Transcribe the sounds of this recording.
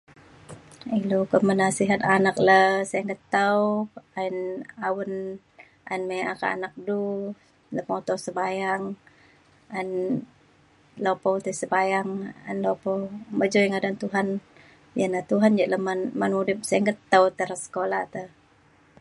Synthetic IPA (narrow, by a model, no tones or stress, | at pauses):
ilokəmənasiɦat̪anak̚ləsajaŋɡət̪əwainawən | ʔa̰inmajakaa̰nak̚du | ləhmot̪ɔsəbajaŋ | an | lopowt̪əsəbajaŋa̰nlopɔməd͡ʒojŋadant̪uɦan | janat̪uɦand͡ʒaʔləmanmənudɪp̚sajaŋɡət̪ːəwt̪əɾəsə̥kolaht̪əh